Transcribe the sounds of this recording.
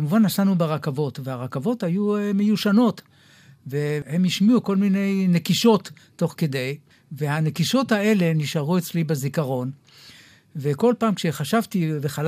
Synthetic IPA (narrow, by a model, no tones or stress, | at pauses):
kamuvanːasanubeʁakavo̞tvehaʁakavo̞tajumejuʃano̞t | vehe̞miʃmiuko̞lmine̞jne̞kiʃo̞tː | o̞χke̞de̞j | ve̞hane̞kiʃo̞thae̞le̞niʃaʁuet͡slibezikaʁo̞n | ve̞ko̞lpaːmkʃe̞χaʃavtiveχal